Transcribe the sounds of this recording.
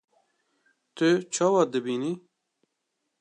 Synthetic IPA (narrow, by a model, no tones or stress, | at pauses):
t̪ɨt͡ʃʰɑːwɑd̪ɨbiːni